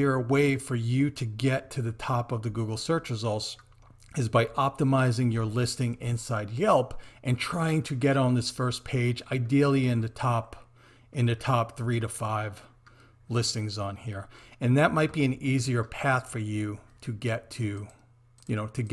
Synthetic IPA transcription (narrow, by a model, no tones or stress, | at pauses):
ə˞weɪfə˞jɨɾɨɡɛtʰɨðɨtʰɑpʌvðɨɡuɡl̩ˠsɜ˞t͡ʃɹɨzɔlˠs | ɨzbaɪʔɑp̚təmaɪzɪ̃ŋjə˞lɪstɪ̃ŋɪ̃nsaɪd̚jɛlˠpʔɨ̃ntʰɹ̥aɪɪ̃ŋtʰɨɡɛɾn̩ðɪsfɜ˞spʰeɪd͡ʒaɪdil̩ˠiɨ̃nðɨtʰɑp | ʔɨ̃nɨtʰɑpθɹiɾɨfaɪv̥ | lɪstɪ̃ŋzn̩hiɹɨ̃nðɨt̚maɪt̚b̥iɨ̃niziə˞pʰæθfə˞jʉɾɨɡɛtʰɨ | jɨñoʊɾɨɡ